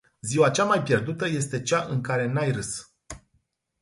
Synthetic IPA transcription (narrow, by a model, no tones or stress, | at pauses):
ziwat͡ʃamajpʲje̞rd̪ut̪əje̞st̪e̞t͡ʃaʔɨŋkaɾe̞najrɨs